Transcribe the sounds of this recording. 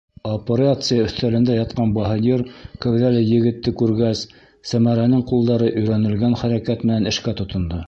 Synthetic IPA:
opʲeɾat̪sɨjaɵ̆θt̪ælɘ̆nd̪æjɑt̪̚qɑnbɑɦɑnʲiɾkæwðælæjɘ̆ɡɘ̆t̪ːɘkʉɾɡæsː | æmæɾænɘŋqulˠd̪ɑɾɤʔɵ̆jɾænɘ̆lɡænχæɾækæt̪mɘ̆nænɘ̆ʃkæt̪ŏt̪ŏnd̪ɤ

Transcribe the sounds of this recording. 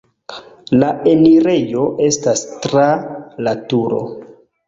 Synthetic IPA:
lae̞niɾe̞jo̞ʔe̞stastɾalatuɾo̞̰

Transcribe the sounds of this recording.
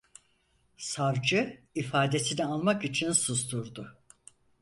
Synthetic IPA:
saɾd͡ʒɯifaːd̪e̞sinialˠmakit͡ʃʰinsusd̪uɾd̪ʊ

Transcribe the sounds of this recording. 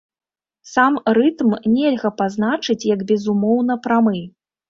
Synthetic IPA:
samrɨt̪mnʲɛlʲɣɐpazn̪at͡ʂɨt͡sʲjɐɡbʲɛzumɔwn̪ɐpɾamɨ

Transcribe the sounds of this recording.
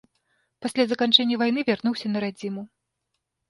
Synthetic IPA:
pasʲlʲazɐkant͡ʂɛnʲːɐvajnɨvʲarnuwsʲɐnɐɾad͡zʲimu

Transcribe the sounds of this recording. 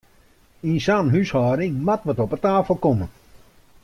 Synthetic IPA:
insanɦyshɔːɾɪŋmatʋətɔpətaːfl̩ˠkomə

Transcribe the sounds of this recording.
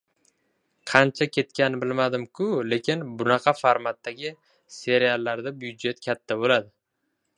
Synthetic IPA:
qʰɑnt͡ʃʰakʲʰe̞t̪kʲanɪbɪlmad̪ɪmkʰʊle̞kʲʰɪnbʊnɑqʰɑfaɾmat̪ːaɡʲɪ | se̞ɾialːaɾd̪abʊjʊd̪d͡ʒe̞t̪kʲʰat̪ʰːabolad̪ɪ

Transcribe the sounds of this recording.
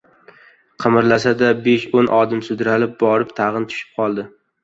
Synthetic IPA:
qʰɨmɪɾlasad̪abeʃonʔɒd̪ɪmsʊd̪ɾalɪp̚bɒɾɪpt̪ʰaʁɨnt̪ʰʊ̥ʃɪ̥p̚qʰɒlˠd̪ɪ

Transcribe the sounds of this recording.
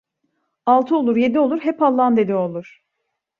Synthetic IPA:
alˠt̪ʰɯo̞lˠuɾje̞d̪io̞lˠuɾɦɛpalˠːand̪e̞d̪io̞lˠuɾ̥

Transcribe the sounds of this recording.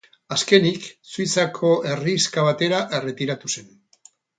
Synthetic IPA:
aske̞niksuit͡sakʰo̞ʔe̞riskaβ̞at̪e̞ɾaʔe̞re̞t̪iɾat̪use̞n

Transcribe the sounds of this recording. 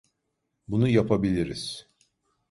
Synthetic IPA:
bunujapʰabilʲiɾiz̥

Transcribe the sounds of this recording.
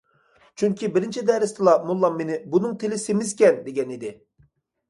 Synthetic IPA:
t͡ʃʰyŋkʲibɪɾɪnt͡ʃʰid̪ɛɾɪst̪ʰɨlˠɑmulˠːɑmːenɪbunɨŋt̪ʰelɪsemɪzkʲɛnd̪eɡʲɛnid̪ɪ

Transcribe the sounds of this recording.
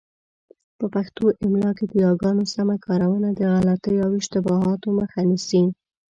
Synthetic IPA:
pəpaxt̪oʔɪmlɑked̪əjɑɡɑnosamakɑɾawənad̪əɣalat̪əjawɪʃt̪ɪbɑɦɑt̪oməxanisi

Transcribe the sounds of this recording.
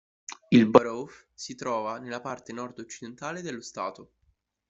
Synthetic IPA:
ilbaɾowfsit̪ɾɔːvanelːapart̪enɔrd̪ot͡ʃːid̪ent̪aːled̪elːost̪a̰ːt̪o

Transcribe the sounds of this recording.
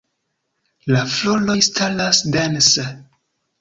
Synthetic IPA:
laflolojstʰalasdense

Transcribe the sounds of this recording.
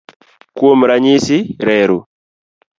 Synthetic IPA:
kuomɾaɲisiɾɛːɾu

